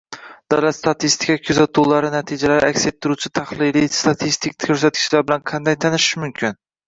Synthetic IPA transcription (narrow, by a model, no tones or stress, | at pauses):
d̪̥awlat̪st̪ʰat̪ʰist̪ʰɪ̥kʲʰakʲʰʊzat̪ʰulaɾɪnat̪ʰid͡ʒalaɾɪakʲset̪ʰːɪɾut͡ʃʰɪt̪ʰahlˠɪlijst̪ʰat̪ʰist̪ʰɪkkʰɵɾsat̪̚kʲɪ̥ʃlaɾbɪlanqʰɑnd̪ajt̪ʰanɪʃmʊmkʲʰɪn